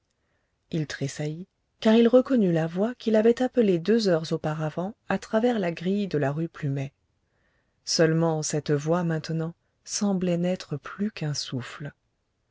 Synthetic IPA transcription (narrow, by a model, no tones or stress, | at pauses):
ilt̪χesaji | kaʁilʁəkɔnylavwakʲilavɛt̪apəled̪øzœʁzopaʁavɑ̃at̪χavɛʁlaɡʁijd̪əlaʁyplymɛ | sœlmɑ̃sɛt̪vwamɛ̃t̪nɑ̃ | sɑ̃blɛnɛt̪χəplykɛ̃sufl